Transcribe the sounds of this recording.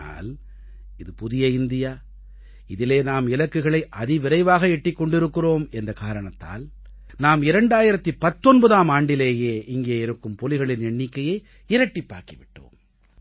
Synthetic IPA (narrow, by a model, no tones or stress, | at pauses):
a̰ːl | ɪðɯpʊðɪjɐɪnd̪ɪjaː | ɪðɪleːnaːmɪlɐkːɯɣɐɭɐɪʔɐðɪʋɪɾɐɪʋaːɣɐɛʈːɪkːɔɳɖɪɾɯkːɪroːmɛndrɐkaːɾɐɳɐt̪ːa̰ːl | naːmɪɾɐɳɖaːjɪɾɐt̪ːipɐt̪ːɔnbɐðaːmaːɳɖɪleːjeːɪŋɡeːɪɾɯkːɯmpɔlɪɣɐɭɪnɛɳːɪkːɐjɐɪ | ɪɾɐʈːɪpːa̰ːɾkiʋɪʈːo̰ːm